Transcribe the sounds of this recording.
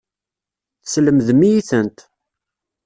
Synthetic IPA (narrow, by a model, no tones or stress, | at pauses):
θsləmðmijiθənt̪